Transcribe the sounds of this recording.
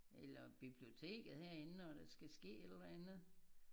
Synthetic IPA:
elɐb̥ib̥lio̝t͡sʰe̝̰ːɡ̥ð̩ˠheɐ̰e̝nɒd̥æsɡ̥æsɡ̥e̝̰ːed̥lænð̩ˠ

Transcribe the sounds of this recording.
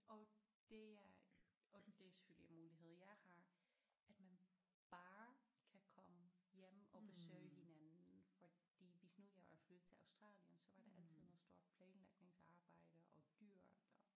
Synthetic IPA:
ʔɒ̽d̥e̝æɒ̽d̥e̝se̥føl̰jəjenmuːliɦe̝ð̞̰ˠjɑ̈ɪhɑ̈æd̥mæn | b̥ɑːkʰækʰɒ̽məjem̰ɒb̥e̝søɪhinænnn̩fɒ̽d̥ḭːʋisnuð̰ˠjɑɪɑflød̥ð̩ˠt͡sʰe̝ɑ̈ʊsd̥ʁɑ̰̈ːlənsɒ̽ʋɑ̈d̥eʔæl̰t͡sʰið̞̰ˠnoð̩ˠsd̥o̝ɐ̰d̥̚pʰlɛːnlɑ̈ɡ̥̚ne̝ŋsɑ̈ːb̥ɑ̈ɪ̰d̥əʔɒ̽d̥yɐ̰d̥ɒ

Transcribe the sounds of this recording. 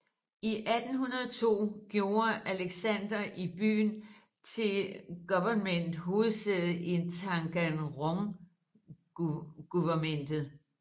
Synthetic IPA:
iʔæd̥n̩hunɐðˠɒt͡sʰo̝̰ːɡ̥jo̝ːɐʔæleɡ̥sænd̥ɐʔib̥y̰ːn | t͡sʰe̝lɡ̥uʋɐnmen̰d̥ɦo̝ːð̩ˠsɛð̩ˠʔent͡sʰɑ̈ŋɡ̥ænʁɔŋ | ɡ̥uʋɐmen̰d̥ð̩ˠ

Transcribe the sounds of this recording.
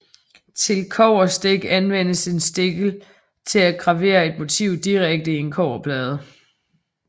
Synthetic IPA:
t͡sʰe̝lkʰɒʊ̰ɐsd̥eɡ̥ænʋen̰əse̝nsd̥e̝ɡ̥l̩ | t͡sʰe̝læɡ̥ʁɑ̈ʋe̝̰ːɐe̝d̥mo̝t͡sʰiʊ̰d̥iʁaɡ̥̚d̥əie̝nkʰɒʊ̰ɐpʰlɛːð̞ˠə

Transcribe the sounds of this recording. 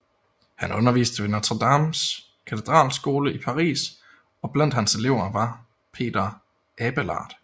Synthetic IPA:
hænɔ̽nɐʋḭːsd̥əʋe̝næt͡sʰʁɐd̥ɑ̈ms | kʰæt͡sʰe̝d̥ʁɑ̰̈ːlsɡ̥o̝ːləipʰɑ̈ʁḭːs | ɒ̽b̥læn̰d̥hænse̝le̝ʊɐʋɑ̈ | pʰe̝̰ːd̥ɐ | ʔɛb̥əlɑ̰̈ːd̥

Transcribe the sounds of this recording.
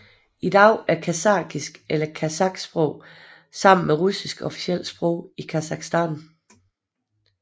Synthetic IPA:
id̥ɑ̈ʊ̰æɐkʰæsɑ̈ːɡ̥isɡ̥elɐkʰæsɑ̈ɡ̥sb̥ʁɔʊ̰ | sɑ̈m̰n̩meʁusisɡ̥ɒ̽fi̥siel̰sb̥ʁɔ̽ʊ̰ikʰæsɑ̈ɡ̥sd̥æn

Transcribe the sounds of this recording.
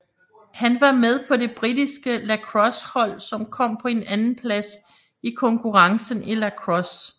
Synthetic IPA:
hænʋɑ̈með̞ˠpʰɒ̽de̝b̥ʁidisɡ̥əlækʰʁɒ̽shɒ̽l̰sɒ̽mkʰɒ̽m̰pʰɒ̽e̝nænn̩pʰlæs | ikʰɒ̽ŋkʰuʁɑ̈ŋsən̩ʔelækʰʁɒ̽s

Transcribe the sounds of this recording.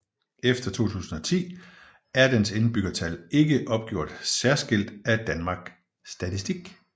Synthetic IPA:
efd̥ɐt͡sʰo̝̰ːt͡sʰṵːsn̩ɒ̽t͡sʰḭː | æɐd̥ense̝nb̥yɡ̥ɐt͡sʰæle̝ɡ̥əʔɒ̽b̥̚ɡ̥jo̝ɐ̰d̥sæɐsɡ̥e̝l̰d̥æd̥ænmɑ̈ɡ̥ | sd̥æt͡sʰisd̥iɡ̥

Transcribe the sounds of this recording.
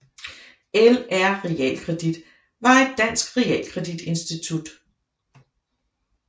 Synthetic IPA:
elæɐ̰ʁɛɛ̰ːlkʰʁɛd̥id̥ | ʋɑ̈e̝d̥ːæn̰sɡ̥ʁɛɛ̰ːlkʰʁɛd̥id̥e̝nsd̥it͡sʰud̥

